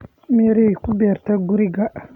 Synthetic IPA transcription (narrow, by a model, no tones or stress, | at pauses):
mɛɾikʊbɛːɾt̪aɡuɾiɡa